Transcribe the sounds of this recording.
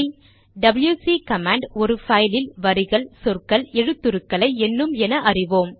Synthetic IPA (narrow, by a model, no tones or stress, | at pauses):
ɖɐbɪljuːsiːkɐmaːɳɖɔɾɯfɐɪlɪlʋɐɾɪɣɐɭsɔrkɐlɛɻɯt̪ːɯɾɯkːɐɭɐɪɛnːɯmɛnɐʔɐrɪʋoːm